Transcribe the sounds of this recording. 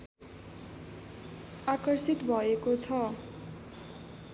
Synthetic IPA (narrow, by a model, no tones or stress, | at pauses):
akʌrsit̪bʱʌekot͡sʰʌ